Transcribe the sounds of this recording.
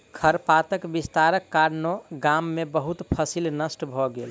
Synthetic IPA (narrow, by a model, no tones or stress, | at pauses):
kʰəɾpat̪əkbist̪aɾəkːaɾnoɡamːebəɦut̪pʰəsilnəsʈbʱɔɡel